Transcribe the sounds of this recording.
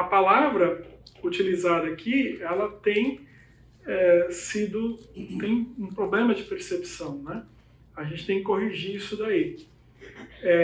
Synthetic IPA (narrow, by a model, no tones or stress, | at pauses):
ɐpalavɾɐut͡ʃilizad̪ɐːkʰiɛlɐt̪ẽj̃ | ɛsid̪ʊt̪ẽj̃ũpɾoblẽmɐd͡ʒɪpeɾsepi̥sɐ̃w̃nɛ | aʒẽnt͡ʃɪ̥t̪ẽkɪ̥koɦiʒiɾisʊd̪ai | ɛ